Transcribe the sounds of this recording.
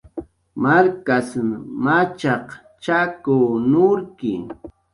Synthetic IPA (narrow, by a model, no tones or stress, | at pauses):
maɾkasmat͡ʃɑq | t͡ʃakʊnʊɾkɪ̰